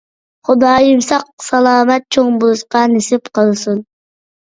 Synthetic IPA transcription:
χʊd̪ɑːjimsɑq̚sɑlˠɑːmɑt̪̚t͡ʃʰoŋbuzqɑnesipqɑlˠsun

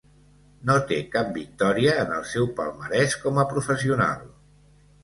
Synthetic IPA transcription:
not̪ekap̚bik̚t̪ɔɾiəːnəlˠsɛwpə̰lˠməɾɛskɔməpɾufəsiuna̰lˠ

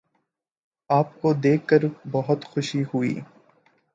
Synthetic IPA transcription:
aːp̚kod̪eːkːəɾbɐɦʊt̪xʊʃiɦʊḭː

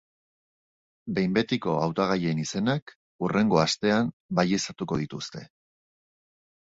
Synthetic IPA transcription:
be̞jmbe̞t̪iko̞awt̪aɣ̞ajeːnise̞nak | ure̞ŋɡo̞ast̪e̞ambajesat̪uko̞ðit̪ust̪e̞

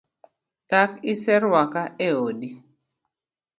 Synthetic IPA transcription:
takɪsɛɾwakaeodi

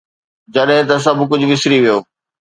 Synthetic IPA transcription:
d͡ʑɐɗɦɪ̃t̪ɐs̬ɐbʱkʊd͡ʑʱʊʋɪsɾiʋijoː

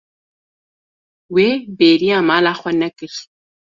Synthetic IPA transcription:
webeːɾijamaːlaːχʷɐnːɐkɨɬ

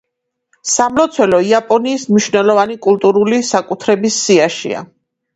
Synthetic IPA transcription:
samlɔt̪sʰwɛlɔiapʼɔniːsmniʃvnɛlˠɔvanikʼulˠt̪ʼuɾulisakʼut̪ʰɾɛbisːiaʃḭa̰

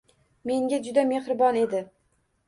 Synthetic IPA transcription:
me̞ŋɡʲad͡ʒʊd̪ame̞hɾɪbɒne̞d̪ɪ

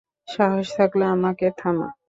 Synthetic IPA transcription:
ʃaɦoʃt̪ʰakleamaket̪ʰama̰

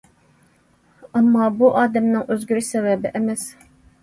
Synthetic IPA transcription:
ɑmːɑːbuʔɑːd̪ɛmnɪŋʔøzɡʲyɾysɛvɛbɪʔɛmɛs

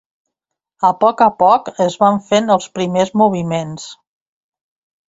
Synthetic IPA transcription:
əpɔkəpɔkəzβaɱfenəlˠspɾimezmuβ̞imens

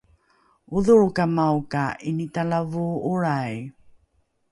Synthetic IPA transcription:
uðuɻkamawkaʔinitaɭavuuɭaj

